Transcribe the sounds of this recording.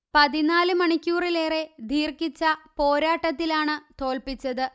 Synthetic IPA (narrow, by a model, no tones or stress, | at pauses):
pɐðinaːlɨmɐɳikʲːuːrile̞ːre̞d̪ʱiːrkit͡ɕːɐpo̞ːɾaːʈːɐt̪̬ːilaːɳɨt̪o̞ːlpit͡ɕːɐðɨ